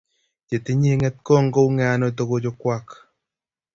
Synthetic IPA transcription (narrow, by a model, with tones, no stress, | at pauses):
d͡ʒe˨t̪i˦ɲi˦ŋɛ˦t̪̚kɔ˦˨ŋɡo˦u˦ŋɛ˨a˨no˦t̪o˦ɡo˦d͡ʒo˦kwa˦k